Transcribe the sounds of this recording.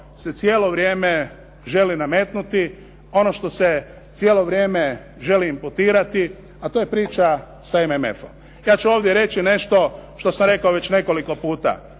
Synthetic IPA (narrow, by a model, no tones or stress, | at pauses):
se̞t̪sje̞ːlo̞ʋɾje̞ːme | ʒe̞liname̞ːt̪nut̪i | o̞no̞ʃt̪o̞se | t̪sjeːlˠo̞ʋɾje̞ːme̞ | ʒe̞liːmput̪iːɾat̪i | at̪oje̞pɾiːt͡ʃa | saememe̞̰fom | jaːt͡ʃuoːʋd̪jeɾe̞t͡ʃine̞ʃt̪o̞ʃt̪o̞samɾe̞kaoʋet͡ɕne̞ko̞liko̞puːt̪a̰